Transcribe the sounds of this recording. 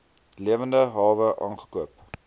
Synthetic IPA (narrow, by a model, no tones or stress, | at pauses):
liəvəndəɦɑːvəʔɑ̰ːnχə̥kuəp